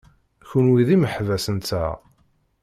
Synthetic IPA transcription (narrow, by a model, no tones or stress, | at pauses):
çunwiðiməħvæsənæ